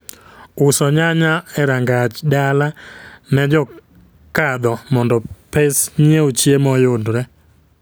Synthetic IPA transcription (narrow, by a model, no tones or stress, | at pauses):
ʊsɔɲaɲaɛɾaŋɡat͡ʃdalanɛd͡ʒɔ | kad̪ɔmɔndɔpesɲieot͡ʃjemɔjʊdɾɛ